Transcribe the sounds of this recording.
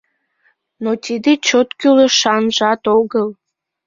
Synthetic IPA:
not̪ʲid̪et͡ɕot̪kyləʃɑnʒɑt̪oɣəlˠ

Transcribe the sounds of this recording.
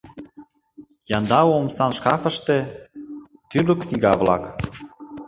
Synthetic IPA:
jɑnd̪ɑwomsɑnʃkɑfə̆ʃt̪ĕ | t̪yɾəknʲiɣɑvlɑ̰k

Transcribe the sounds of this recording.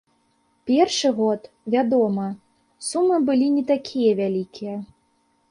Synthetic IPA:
pʲɛrʂɨɣɔt̪ | vʲad̪ɔmɐ | sumɨbɨlʲinʲɛt̪akʲʰijɐvʲalʲikʲʰijɐ

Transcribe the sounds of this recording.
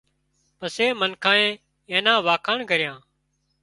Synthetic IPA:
pəseːmənkʰãːẽː | ẽːnãːʋaːkʰaːɳkəɾɪjãː

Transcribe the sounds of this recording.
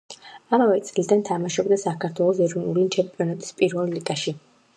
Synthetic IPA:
amavɛt̪sʼlid̪ant̪ʰamaʃɔbd̪asakʰaɾt̪ʰwɛlˠɔsɛɾɔnulint͡ʃʰɛmpʼiɔnat̪ʼi̥spʼiɾvɛlːiɡaʃi

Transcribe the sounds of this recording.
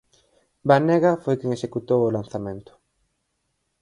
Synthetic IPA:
banɛɣɐfojkeŋeʃekut̪owolan̟θamẽnt̪ʊ̥

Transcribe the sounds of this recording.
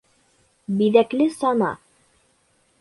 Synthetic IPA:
biðæklɘsɑnɑ̰

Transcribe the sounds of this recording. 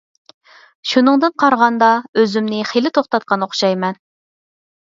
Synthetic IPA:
ʃunɨŋd̪ɨnqʰɑɾʁɑnd̪ɑøzymnɪχelɪt̪ʰoχt̪ɑt̪̚qɑnoχʃɑjmɛn

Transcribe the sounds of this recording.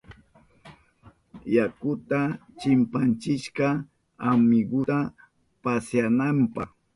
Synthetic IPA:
jakʊt̪at͡ʃɪmpant͡ʃɪʃkɑ | amɪɡʊt̪a | pasjanampɑχ

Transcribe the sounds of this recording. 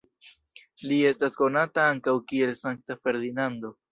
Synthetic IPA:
lie̞stasko̞nataaŋkawkie̞lsaŋk̚tafe̞ɾd̪inando̞

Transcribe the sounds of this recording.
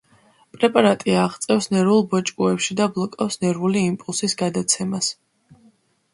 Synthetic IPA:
pʼɾɛpʼaɾat̪ʼiaːʁt̪sʼɛfsnɛɾvulˠbɔt͡ʃʼkʼuɛpʃid̪ablˠɔkʼɔfsnɛɾvuliːmpʼulˠsisɡad̪at̪sʰɛmas

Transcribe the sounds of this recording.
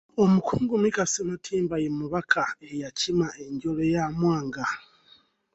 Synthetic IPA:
o̞mukʰuːŋɡumikasimatʰiːmbajemuβakʰaejacimae̞ɲɟo̞lejamwaːŋɡa

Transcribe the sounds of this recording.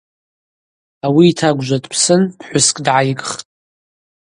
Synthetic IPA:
awiːtʰaɡʷʒʷadʼpʰsɨnpʰħʷʊskʼdʕajɡʼχtʼ

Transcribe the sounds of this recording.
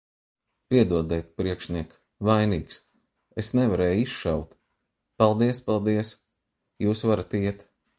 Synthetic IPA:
piɛd̪uɔd̪ɛjt̪̚pɾiɛkʃniɛk | vajniːks | esnɛvaɾɛːjisʃawt̪ | pɑlˠd̪iɛspɑlˠd̪iɛs | juːsvaɾat̪iɛt̪

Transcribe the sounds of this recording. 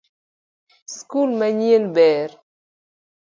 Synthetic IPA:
skulmaɲielbɛːɾ

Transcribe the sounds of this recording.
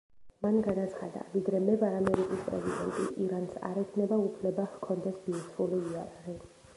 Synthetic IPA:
manɡanat̪sʰχa̰d̪a̰vid̪ɾɛmɛbaɾamɛɾikʼispʼɾɛ̰zid̪ɛ̰nt̪ʼḭʔiɾansa̰ɾɛkʰnɛbaupʰlɛbahkʰɔnd̪ɛsbiɾt̪ʰuliːaɾaʁi

